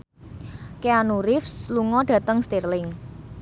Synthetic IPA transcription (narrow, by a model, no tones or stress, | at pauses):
keanuɾɪfsluŋɔɖ̥ä̤t̪əŋst̪irlɪŋ